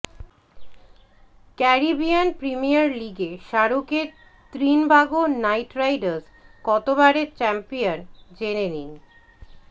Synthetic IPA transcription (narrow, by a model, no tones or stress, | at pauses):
kɛɾibijanpɾimijaɾliɡeʃaɾukeɾ | t̪ɾinbaɡonajʈɾajɖaɾs | kɔt̪obaɾeɾt͡ɕɛmpijond͡ʑenenin